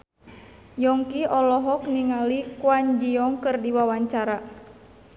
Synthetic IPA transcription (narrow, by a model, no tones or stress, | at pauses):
jɔŋkiʔɔlɔɦɔk̚niŋalikwaɲd͡ʒiɔŋkɨrdiwawaɲt͡ʃaɾa